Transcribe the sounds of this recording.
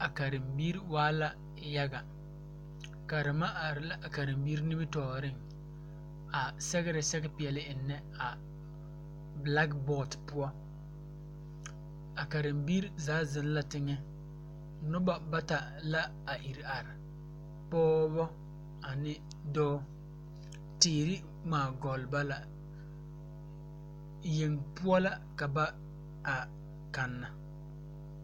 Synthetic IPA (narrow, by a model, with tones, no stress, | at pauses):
a˨ka˨ɾɪ˨mbiː˦ɾi˦waː˦la˦ | ja˦ɡa˨ | ka˨ɾɪ˨ma˦ʔa˨ɾɪ˨la˦a˨ka˨ɾɪ˨mbiː˦ɾni˦bi˦tɔː˨ɾɪ˦˨ŋ | a˨sɛ˦ɡɪ˦ɾɪ˨sɛ˦ɡɛ˦pɪ˨ɛ˨lɪ˦ʔɪ˨nːɛ˦ | a˨ | bla˦kbɔ˦˨tpʊ˦ɔ˦ | a˨ka˨ɾɪ˨mbiː˦ɾzaː˨˦zɪ˨n˦la˦tɪ˦ŋɛ˦ | nʊ˦ba˨ba˦ta˨ | la˦ | a˨ʔi˨ɾa˨ɾɪ˨ | pɔː˦bɔ˦ | a˨nɪ˦ | dɔː˦ | tɪː˨ɾɪ˦ | maː˨ɡɔ˨lba˦la˨ | je˨ŋpʊ˦ɔ˦la˦ka˨ba˦ | a˨ | ka˨nːa˨